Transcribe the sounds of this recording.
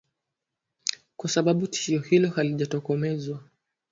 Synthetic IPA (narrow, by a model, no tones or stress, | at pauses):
kwasaɓaɓuti̥ʃiɔhilɔhaliʄatɔkɔmɛzwa